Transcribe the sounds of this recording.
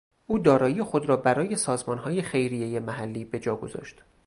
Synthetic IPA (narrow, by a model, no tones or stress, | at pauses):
ʔuːd̪ɒːɾɒːijexo̞d̪ɾɒːbæɾɒːje̞sɒːzmɒːnɦɒːje̞xe̞jɾije̞jemæɦælːiːbe̞d͡ʒɒːɡo̞zɒ̰ːʃt̪